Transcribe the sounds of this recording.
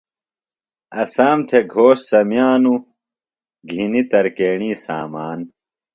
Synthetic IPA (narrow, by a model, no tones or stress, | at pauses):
ɐsaːmt̪ʰeɡʱoːʂsɐmjaːnu | ɡʱinit̪ɐɾkeːɳiːsa̰ːmaːn